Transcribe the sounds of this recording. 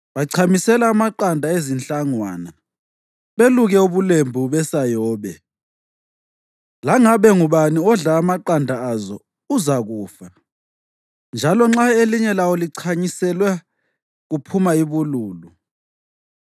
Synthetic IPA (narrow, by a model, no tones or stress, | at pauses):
βaǀʰamisɛlaːmaǃandʱaezinɬaŋwa̰ːna | βeluɣɛuβulembʱuβɛsajɔːβɛ | laŋaβɛŋuβaniɔɮaːmaǃandʱaazɔ | uzaɣuːfa | nd͡ʒʱalɔŋ͡ǁaeliɲɛlawoliǀʰaɲisɛlwɛ | ɣupʰumaiβuluːlu